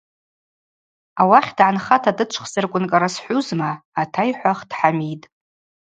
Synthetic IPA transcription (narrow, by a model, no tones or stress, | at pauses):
awaχʲdʕanχatʰadɨt͡ʃʷʰχzɨrkʷʼʊnkʼaɾasħʷuzmaːtʰajħʷaχd̥ħamitʼ